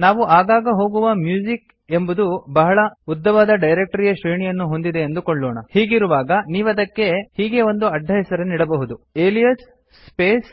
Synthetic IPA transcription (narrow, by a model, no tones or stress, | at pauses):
naːʋuʔaːɡaːɡɐɦo̞ːɡuʋɐmjuːd͡ʒik | e̞mbud̪ubɐɦɐɭɐud̪ʱːɐʋaːd̪ɐɖɐjɾek̚ʈɐɾijɐʃɾejɳijɐnːuɦo̞nd̪id̪e̞ːnd̪ukoɭːoːɳɐhiːɡiɾuʋaːɡɐniːʋɐd̪ɐkːe̞hiːɡe̞o̞nd̪uɐɖʱːɐɦɛsɐɾenːiːɽɐbɐɦud̪ueːlijɐsː | peːs